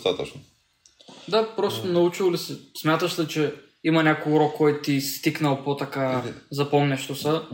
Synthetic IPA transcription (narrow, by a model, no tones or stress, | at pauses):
t̪at̪ət͡ʃno | d̪apɾɔst̪onɐut͡ʃilˠlisɛsmʲjat̪əʃlit͡ʃɛ | imɐnʲakoɾɔkɔjt̪t̪ist̪iknɐlˠpot̪ɐkazɐpɔmnɛʃt̪osɐ